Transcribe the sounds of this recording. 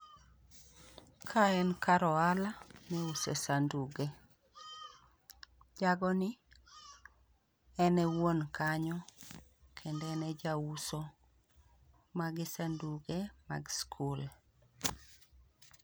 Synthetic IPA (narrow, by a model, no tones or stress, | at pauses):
kʰaɛnkaɾɔalanɛusesanduɡe | d͡ʒaɡɔnɪ | ɛnɛwonkʰaɲɔ | kʰendɛnɛd͡ʒauso | maɡɪsanduɡema̰ɡskʰul